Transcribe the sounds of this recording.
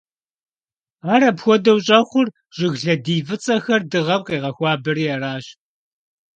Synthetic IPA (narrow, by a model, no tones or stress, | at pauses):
aːɾɐpxʷɔdɐwɕʼɐχʷʊr | ʑ̥ɪɣɮɐdiːvɨt͡sʼɐxɐrdɨʁɐmqiːʁɐxʷɑːbɨɾiːaraːɕ